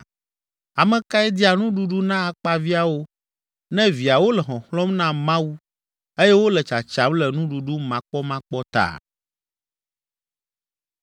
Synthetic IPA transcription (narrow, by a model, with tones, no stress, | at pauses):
a˨mɛ̃˨ka˦ɛ˦d̪i˦a˨nũ˦ɖu˦ɖu˦nã˦a˨k͡pa˦vi˦a˨wo˦ | nɛ̃˦vi˨a˨wo˦lɛ˨ɦɔ̃˨xlɔ̃˦mnã˦mã˦wu˦ | e˦jɛ˦wo˦lɛ˨t͡ʃa˨t͡ʃa˨blɛ˨nũ˦ɖu˨ɖu˦mã˨k͡pɔ˦mã˦k͡pɔ˦t̪a̰˦˨